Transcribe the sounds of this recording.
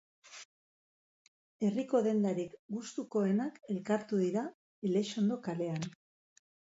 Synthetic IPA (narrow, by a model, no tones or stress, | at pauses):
e̞riko̞ðe̞nd̪aɾikɡust̪uko̞e̞nake̞lkaɾt̪uðiɾa | ele̞ʃo̞nd̪o̞kale̞an